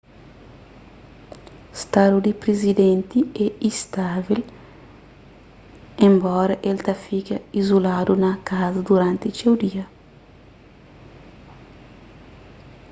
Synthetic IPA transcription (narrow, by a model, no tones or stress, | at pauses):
st̪ad̪ud̪ipɾezid̪ɛnt̪iɛist̪avil | ẽmbɔɾɐʔelt̪ɐfikɐizulad̪unɐkazɐd̪uɾãnt̪ɪt͡ʃewd̪iɐ